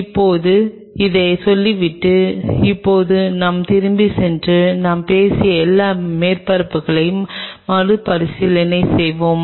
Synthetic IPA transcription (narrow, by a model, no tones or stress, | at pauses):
ɪpːoːðɯ | ɪðeːsɔlːiʋɪʈːɯɪpːoːðɯnɐmt̪ɪɾɯmbisɛndrɯnaːmpeːsɪjɐɛlːaːmeːɾpɐɾɐpːɯɣɐɭɐjɯmːɐɾɯpɐɾɪsɪlɐnɐɪsɛjʋoːm